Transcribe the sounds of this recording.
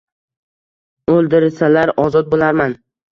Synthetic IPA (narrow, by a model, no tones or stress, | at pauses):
olˠd̪ɪɾɪsalaɾɒzɒt̪̚bolaɾman